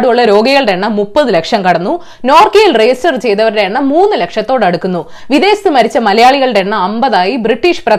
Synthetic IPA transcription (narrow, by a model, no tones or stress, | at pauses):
ɽuuɭːɐɾo̞ːɡɐɣɐɭɨɽeɳːɐmupːɐðɨlekʂɐmkɐɽɐnːu | noːrkejilrejstɐrt͡ɕe̞jt̪ɐʋɐɾɽeɳːɐmuːnːɨlekʂɐt̪ːo̞ːɽɐɽukːunːu | ʋiðe̞ːst̪ɨmɐɾit͡ɕːɐmɐlɐjaːɭiɣɐɭɨɽe̞ɳːɐɐmbɐðaːjibriʈːiːʂprɐ